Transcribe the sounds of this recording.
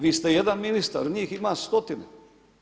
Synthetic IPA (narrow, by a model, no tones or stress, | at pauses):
ʋiːst̪ejed̪anminist̪a̰ɾɲiːximaːst̪ot̪ine